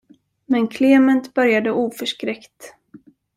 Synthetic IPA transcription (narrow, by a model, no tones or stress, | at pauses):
mɛnkʰleːmɛnt̪bœɾjad̪əʔuːfœʂkɾɛkt̪